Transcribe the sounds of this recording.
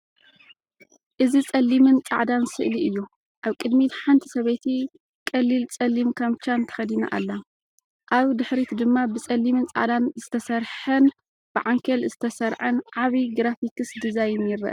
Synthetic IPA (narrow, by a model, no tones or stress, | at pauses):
ʔɨzit͡sʼɐlːimɨnt͡sʼaʕd̪ansɨʔliɨjːu | ʔaβkʼɨd̪mit̪ħant̪ʰi̥sɐβet̪ʰi | kʼɐlːilt͡sʼɐlːimkʰamt͡ʃant̪ʰɐ̥xɐd̪ina̰ʔa̰lːa | ʔaβd̪ɨħɾit̪d̪ɨmːabɨt͡sʼɐlːimɨnt͡sʼa̰ʕd̪anzɨt̪ʰɐsɐɾħɐn | b̥ɨʕaŋkʰɐlzɨt̪ʰɐsɐɾʕɐnʕaβiɡɾafikɨsd̪ɨzajnjɪɾːɐ̰ʔɐ̰